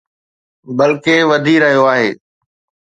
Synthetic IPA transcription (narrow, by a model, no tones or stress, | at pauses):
bɐlkeʋɐd̪ʱiɾɐɦijoaːɦeː